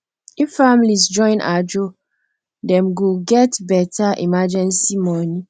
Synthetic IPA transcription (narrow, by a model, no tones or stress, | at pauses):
iffamlisd͡ʒɔ̃ɪ̃na̰d͡ʒo | dɛ̃mɡuɡɛtbɛtʰaʔḭmad͡ʒɛ̃nsimɔni